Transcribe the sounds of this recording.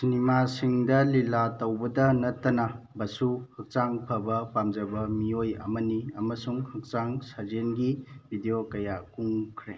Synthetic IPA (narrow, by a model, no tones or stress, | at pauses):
sinimasiŋdɐlilatɐwbɐdɐnɐtːɐnɐbɐsuhɐk̚t͡ʃaŋpʰɐbɐpamd͡ʒɐbɐmiojɐ̰mɐniɐmɐsuŋhɐk̚t͡ʃaŋsazenɡibʱidijokɐjakuŋkʰɾe